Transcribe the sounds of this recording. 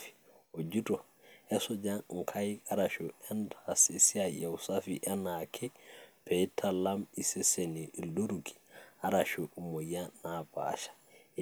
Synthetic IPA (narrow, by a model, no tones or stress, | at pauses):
fi̥ | ɔd͡ʒutɔ | ɛsɔd͡ʒaŋkʰajaɾaʃuɛndasisiajawsafiʔanakʰɛpɛtʰalamisɛseniʔildoɾukʰi̥aɾaʃuumɔjanapa̰ʃḁ